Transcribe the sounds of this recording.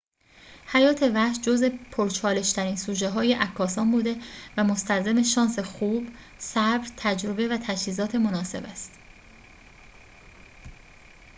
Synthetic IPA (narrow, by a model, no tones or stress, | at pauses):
hæjɒːt̪ʰe̞væʃd͡ʒo̞zepʰoɾt͡ʃʰɒːle̞ʃt̪ʰæɾiːnsuːʒe̞ɦɒːje̞ʔækʰːɒːsɒːmbuːd̪e̞væmo̞st̪ʰælzeme̞ʃɒːnse̞xuːb | sæbɾt̪ʰæd͡ʒɾo̞be̞væt̪ʰæd͡ʒhiːzɒːt̪ʰe̞mo̞nɒːse̞̰bæst̪